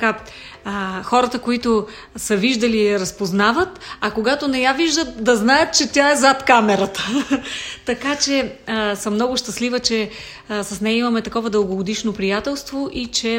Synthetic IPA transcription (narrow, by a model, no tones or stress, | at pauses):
ka | xɔɾət̪əkoit̪ʊ | səviʒd̪əliɾɐspoznavət̪ɐkoɡat̪onɛjaviʒd̪ət̪̚d̪ɐznajət̪̚t͡ʃɛt̪ʲjaɛzat̪kamɛɾət̪ə̥ | t̪ɐkat͡ʃɛsəmnɔɡʊʃt̪ɐslivət͡ʃɛ | sɐsnɛjəimɐmɛt̪ɐkɔvəd̪əlˠɡoɡod̪iʃnopɾijat̪ɛlˠst̪voʔit͡ʃɛ